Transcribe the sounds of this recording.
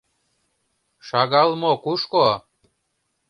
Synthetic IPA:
ʃɑɣɑlmokuʃko

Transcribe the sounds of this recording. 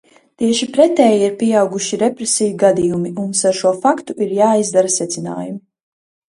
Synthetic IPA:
t̪iɛʃipɾɛt̪ɛːjiɾpiɛawɡuʃiɾɛpɾesijuɡad̪ijumiunsaɾʃuɔfakt̪uʔiɾjaːizd̪aɾasɛt̪sina̰ːjumi

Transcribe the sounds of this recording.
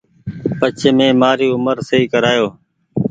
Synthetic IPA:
pət͡ʃʰeːmẽːmaːɾiːʊməɾseiːkəɾaːjoː

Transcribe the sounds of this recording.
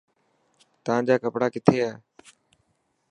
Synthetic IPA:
t̪əʋãːd͡ʒaːkəpɽaːkɪt̪ʰeːaː

